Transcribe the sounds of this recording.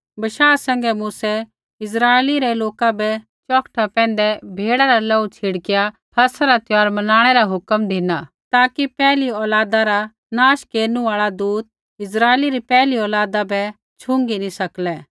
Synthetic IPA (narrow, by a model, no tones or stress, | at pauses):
bɐʃaːsɛ̃ŋɡɛmuːsɛ | ɪs̬ɾaːliɾɛloːkabɛ | t͡ʃɔːkʰʈʰapɛ̃ːnd̪ɛbʱeːɽaɾalɔut͡ʃʰɪɽkɪja | pʰɐsaɾat̪ɪjaːɾmɐnaːɽ̃ɛɾaɦʊkəmd̪ʱɪnaː | t̪aːkipɛːliɔːlaːd̪aɾa | naːʃkeːɾnũaːɭad̪uːt̪̚ | ɪs̬ɾaːeliɾipɛːliɔːlaːd̪abɛ | t͡ʃʰʊ̃ŋɡinĩsɐklɛː